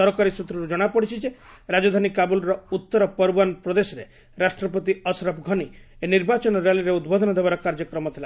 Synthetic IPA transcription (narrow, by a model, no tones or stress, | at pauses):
ɔɾɔkaɾisɾut̪ɾɔɾud͡ʒɔɽ̃apɔɽit͡ʃʰid͡ʒeɾad͡ʒɔd̪ʱanikabulɾɔut̪ːɔɾɔpɔɾbanpɾɔd̪esɔɾe | ɾasʈɾɔp̬ɔt̪iɔsɾɔpɡʱɔnieniɾbat͡ʃɔnɔɾeliɾeud̪bɔd̪ʱɔnɔd̪ebaɾɔkaɾd͡ʒɔkɾɔmɔt̪ʰila